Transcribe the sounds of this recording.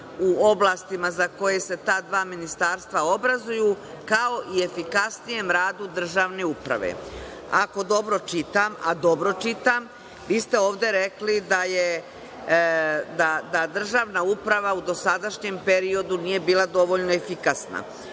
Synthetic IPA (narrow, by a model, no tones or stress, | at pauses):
uo̞blˠaːst̪imazako̞je̞se̞t̪aːd̪ʋaːminist̪aːɾst̪ʋao̞bɾazuju | kao̞ʔie̞fikasnije̞mɾaːd̪ud̪r̩ʒaːʋne̞upɾa̰ʋḛ | ako̞d̪o̞bɾo̞t͡ʃit̪ama̰d̪o̞bɾo̞t͡ʃit̪am | ʋiːst̪e̞o̞ːʋd̪e̞ɾeklid̪aje | d̪ad̪ad̪r̩ʒaːʋnaupɾaʋaud̪o̞sad̪aʃɲempe̞ɾio̞d̪uniːje̞biːlˠad̪o̞ʋo̞ʎno̞efikasna̰